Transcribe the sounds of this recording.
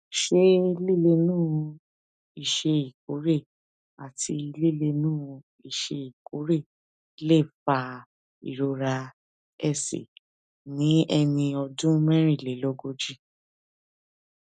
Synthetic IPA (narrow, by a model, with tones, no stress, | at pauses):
ʃe˦li˦˨le˧nũː˦˧ | i˨ʃe˧i˨ko˨˦ɾe˦˨ | a˨tʰi˧li˦le˧nũː˦˧ | i˨ʃe˧i˨ko˨˦ɾe˦˨˦ | le˦˨fa˨˧ | ḭ˨ɾo˧ɾa˧ | ɛ˦˨sḛ˨ | nĩ˨˦ɛ˧nĩ˧ɔ˧dũ˦mɛ̃˦ɾ̃ĩ˦˨le˨˦lɔ˦ɡo˧d͡ʒi˦˨